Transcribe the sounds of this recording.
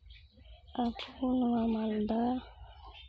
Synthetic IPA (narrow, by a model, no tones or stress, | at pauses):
apʰunuamald̪a